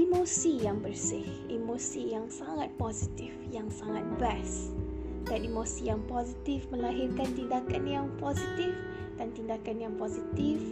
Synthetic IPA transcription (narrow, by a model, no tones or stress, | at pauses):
imosijaŋbərsɪh | imosijaŋsaŋat̪̚pozit̪ifjaŋsaŋat̪̚bas | daanimosijaŋpozit̪ifməlaɦirkant̪indakanjaŋpozit̪if | d̥ant̪indakanjaŋpozit̪if